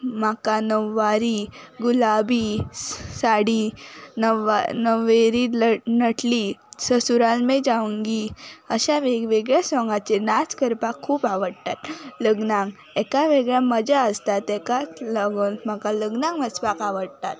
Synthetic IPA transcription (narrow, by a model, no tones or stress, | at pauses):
makanəʋːaɾiːɡulabi | saɽiːnəʋnəʋeɾinəʈlisəsuɾalmẽd͡ʑaʋəŋɡiəɕaʋeɡʋeɡɭjasɔ̃ŋɡat͡ɕenaskəɾpakʰːuːpaʋəɽt̪at̪ləɡnãŋɡ | ɛkaʋeɡɭjaməd͡ʑaəst̪at̪ɛkalaɡonm̤akaləɡnãŋməsbakaʋəɽt̪at̪̚